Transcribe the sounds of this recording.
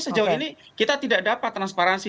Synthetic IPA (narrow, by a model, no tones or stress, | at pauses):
səd͡ʒauinikit̪at̪idak̚dapat̪ːɾanspaɾansi